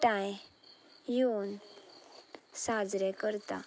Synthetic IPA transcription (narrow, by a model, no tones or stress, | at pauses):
ʈãj | jon | sad͡zɾɛkəɾt̪a̰